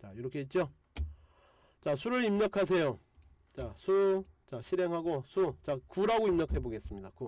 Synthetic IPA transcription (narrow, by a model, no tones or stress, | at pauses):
t͡ɕajoɾʌkʰeit̚t͡ɕ͈o | t͡ɕasʰuɾɯɾimɲʌkʰas̬ʰe̞jo | t͡ɕasʰut͡ɕaɕʰiɾe̞ŋɦaɡosʰut͡ɕakuɾaɡoimɲʌkʰe̞boɡe̞s͈ɯmɲidako